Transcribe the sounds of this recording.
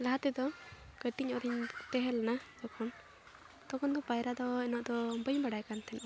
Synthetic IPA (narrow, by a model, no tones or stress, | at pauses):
laɦat̪ɛd̪ɔɡəʈiɲɔɾiɲt̪ɛɦɛlnad̪ɔkʰɔn | t̪ɔkɔnd̪ɔpajɾad̪ɔɛnɔʔd̪ɔbəɲbaɽajkant̪ʰɛnʔɔ